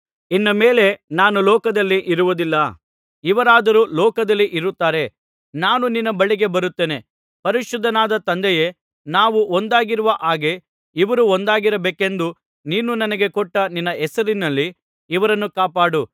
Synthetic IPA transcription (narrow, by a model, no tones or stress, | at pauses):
inːɐme̞ːle̞naːnulɔːkɐd̪ɐlːiʔiɾuʋud̪ilːɐ | iʋɐɾaːd̪ɐɾulɔːkɐd̪ɐlːiʔiɾut̪ːaːɾe̞ | naːnuninːɐbɐɭiɡe̞bɐɾut̪ːe̞ːne̞ | pɐɾiʃud̪ʱːɐnaːd̪ɐt̪ɐnd̪ɛje̞ | naːʋuond̪aːɡiɾuʋɐʔaːɡe̞ | iʋɐɾuond̪aːɡiɾɐbeːke̞nd̪u | niːnunɐnɐɡe̞kɔʈːɐninːɐɛsɐɾinɐlːiː | ʋɐɾɐnːukaːpaːɽu